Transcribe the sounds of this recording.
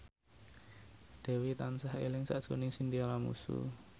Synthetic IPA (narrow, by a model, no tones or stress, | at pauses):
d̥ɛ̤wit̪ansahḛlɪŋsaʔd̥ʒ̥o̤nɪŋsind̪iɔlamṵsṵ